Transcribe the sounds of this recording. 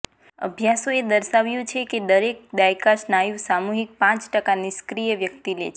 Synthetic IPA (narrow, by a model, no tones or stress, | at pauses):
ə̰bʱjasoed̪əɾʃaʋjũt͡ʃʰeked̪əɾek̚d̪ajkaʃnajũʋsamuɦik̚pãt͡ʃʈəkaniskɾijəʋjək̚t̪ilḛt͡ʃʰe